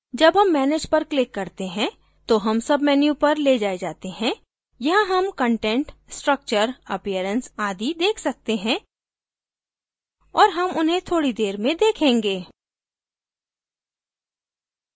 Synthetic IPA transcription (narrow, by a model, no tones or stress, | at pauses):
d͡ʒɐbɦɐmːɛːneːd͡ʒpɐɾklɪkːɐɾt̪eɦɛ̃ | t̪oɦɐmsɐbmɛːnjũpɐɾled͡ʒaːed͡ʒaːt̪eɦɛ̃ | jɐɦãɦɐmkə̃ɳʈɛ̃ɳʈsʈɾək̚t͡ʃəɾɐpijəɾə̃nsaːd̪id̪eːkʰsɐk̚t̪eɦɛ̃ː | ɔːɾɦɐmʊnɦẽt̪ʰoːɽid̪eːɾmẽd̪eːkʰẽːŋɡeː